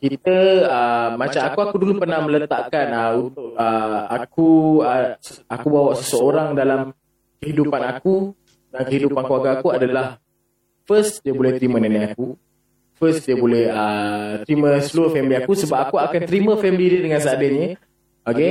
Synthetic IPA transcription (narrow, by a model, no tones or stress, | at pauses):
kit̪əəːat͡ʃamakuakudulupərnahmə̃lət̪aʔkanəunt̪ʊʔ̚əakuəakubawaʔsəsəoɾaŋdalam | kəɦidupanaku | dankəɦidupankluaɡaːkuadalah | fəst̪diəbolɛht̪ɾimə̃nanajaku | fəsdiəbolɛhət̪ɾimə̃səluəfɛmiliakusəbap̚akuakant̪əɾimə̃fɛmlidədəŋans̬aadəɲə | oke